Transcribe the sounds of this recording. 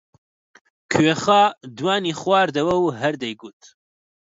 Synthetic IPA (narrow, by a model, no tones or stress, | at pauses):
kʰɥeχɑːd̪waːniːχwɑːɾd̪ɐwɐwɦɛɾd̪ejɡut̪ʰ